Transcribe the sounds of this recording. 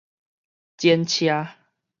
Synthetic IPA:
t͡ɕjɛ˦nt͡ɕʰja˦

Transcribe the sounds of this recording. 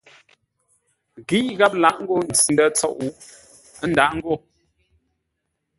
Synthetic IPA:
ɣi˦ʔɣa˦p̚la˨˦ʔŋ̩˦ɡo˦˨n̩˨t͡sn˦də˦t͡sɔ̰˦˨ʔu˦ | ə˦n˨da˨ʔŋ̩˦ɡo˦˨

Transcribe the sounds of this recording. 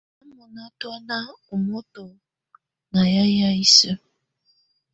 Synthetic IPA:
a˦mɔ˨na˦twa˦na˦o˨mɔ˦to˨ | na˨ja˦ja˦i˦sə˦

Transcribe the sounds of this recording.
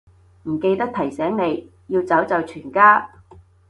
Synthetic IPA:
m̩˨˩ke˧jt̪ɐ˥k̚t̪ʰɐ˨˩jsɛː˨˥ŋne˨˧j | jiː˧wt͡sɐ˨˥wt͡sɐ˨˧wt͡ʃʰyː˨˩nkaː˥

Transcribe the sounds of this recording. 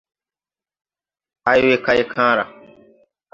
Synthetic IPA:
a˨jwe˦kʰa˦je˦˨kʰãː˦ɾa˨

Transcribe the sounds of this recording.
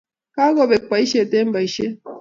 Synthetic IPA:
ka˦ɣɔ˨βe˨k͡pa˨˦i˦ʃe˦˨te˦m̩˦ba˨i˨ʃe˦

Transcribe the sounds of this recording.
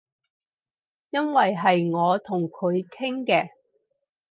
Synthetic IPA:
jɐ˥nwɐ˨jɦɐ˨jŋɔː˨˧t̪ʰʊ˨˩ŋkʰɵ˨˧ɥkʰɪ˥ŋkɛː˧

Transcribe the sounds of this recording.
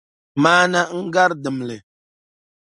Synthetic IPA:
maː˦na˦ŋ̩˦ɡa˦ɾdɨ˨m˨lɨ˨

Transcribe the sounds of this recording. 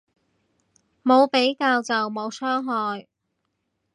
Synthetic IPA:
mo˨˧wpe˨˥jkaː˧wt͡sɐ˨wmo˨˧wsʰœː˥ŋɦɔː˨j

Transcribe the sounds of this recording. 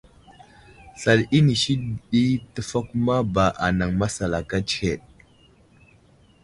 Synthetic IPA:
sa˨li˦ni˨ʃi˦˨ɗi˦tə˦fa˦ku˦ma˦ba˨ʔa˨na˨ŋma˦sa˨la˨ka˦t͡ʃhe˨ɗ̚

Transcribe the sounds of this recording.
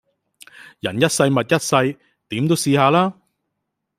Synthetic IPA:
jɐ˨˩njɐ˥t̚sɐ˧jmɐ˨t̚jɐ˥t̚sɐ˧j | t̪iː˨˥mt̪o˥wsiː˧haː˧laː˥

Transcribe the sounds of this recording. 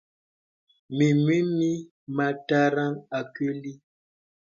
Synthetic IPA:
mi˨mwi˦mi˦ | ma˨ta˦ɾa˦ŋa˨ke˦li˦

